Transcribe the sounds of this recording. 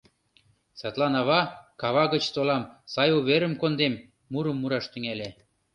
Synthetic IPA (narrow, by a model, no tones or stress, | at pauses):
set̪lɑnɑβɑkɑβɑɣə̆t͡ɕt̪olɑmsɑjuβeɾə̆mkond̪emː | uɾə̆mːuɾɑʃt̪ə̆ŋælʲe